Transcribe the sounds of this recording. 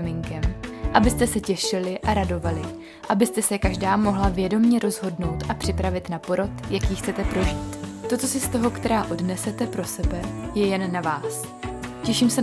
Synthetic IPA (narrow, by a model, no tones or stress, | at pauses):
mɪŋkɛmʔabɪst̪ɛsɛcɛʃɪlɪʔaɾado̞valɪ | ʔabɪst̪ɛsɛkaʒdaːmo̞ɦlavjɛdo̞mɲɛɾo̞zɦo̞dno̞wt̪ʔapr̝̥ɪpɾavɪt̪napo̞ɾo̞t̪jakiːxt͡sɛt̪ɛpɾo̞ʒiːt̪t̪o̞t͡so̞sɪst̪o̞ɦo̞kt̪ɛɾaːʔo̞dnɛsɛt̪ɛpɾo̞sɛbɛjɛjɛnːavaːs | cɛʃiːmsɛ